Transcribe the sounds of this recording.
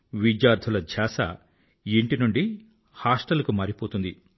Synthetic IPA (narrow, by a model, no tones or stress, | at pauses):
ʋid͡ʒjaːɾd̪ʰʱulɐdʱjaːsɐ̰ | iɳʈinuɳɖi | haːsʈɐlɐkumaːɾipoːt̪und̪i